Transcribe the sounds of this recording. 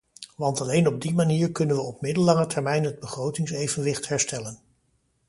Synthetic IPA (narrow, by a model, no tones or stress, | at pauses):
ʋɑntɑlejnɔb̚dimaniːɹkɵnənʋəɔp̚mɪdəlːɑŋətʰɛɹmɛjnɦəd̚bəχrowtɪŋsejvənʋɪχtɦɛɹstɛlən